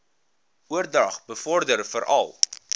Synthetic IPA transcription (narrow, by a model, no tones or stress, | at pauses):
uərdɐχbəfɔrdərfəɾʔɐ̰lˠ